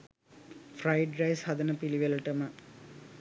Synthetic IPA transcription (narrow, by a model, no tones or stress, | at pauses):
frɐjɖɾɐjshɐd̪ɐnɐpiliʋɐlɐʈɐmɐ